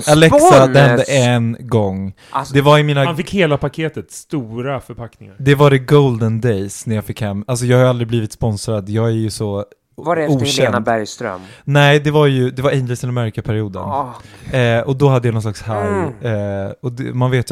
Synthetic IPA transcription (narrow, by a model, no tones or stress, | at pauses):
alɛsad̪ɛhɛnd̪əʔɛnɡɔŋː | d̪ɛvaɾɪmiːnaanfɪkːheːlapakʰeːt̪ət̪st̪uːɾafœɾpʰaknɪŋa̰ɾd̪ɛvaɖɛɡowld̪ənd̪ɛjsnæɾjɑːfɪkːhɛmːals̬ɔjɑːɡhajald̪ɾɪbliːvɪt̪spɔnsɾad̪jɑːɡæɾjɵsɔ | vauːʃɛnnadbæɾjst̪ɾœ̰mmnɛɪd̪ɛvaɾjɵd̪ɛvaɾɛnd̪əsɪnd̪ɛmœɾkapʰæɾɪuːd̪ə̰n | ɔd̪ɔɦad̪ːəjanɔnslaksha | ɔd̪ɛmanveːt̪j